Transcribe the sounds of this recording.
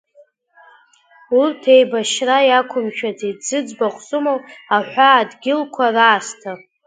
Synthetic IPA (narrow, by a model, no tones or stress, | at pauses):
urtʰe̞jbaʃrajakʷʰʊmʃᶣatʰidd͡zɨd͡zbaχʷsumowaħᶣʷaːdɡʲɪlkʷʰaraːstʰa